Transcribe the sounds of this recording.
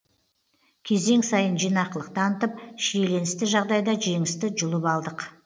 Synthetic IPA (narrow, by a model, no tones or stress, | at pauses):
kʲʰe̞ze̞ŋsɑjənʒijnɑqəlˠəq̚t̪ɑnət̪əp̚ʃiele̞nɪst̪ɪʒɑʁd̪ɑjd̪ɑʒe̞ŋɪst̪ɪʒʊlˠəpɑlˠd̪əq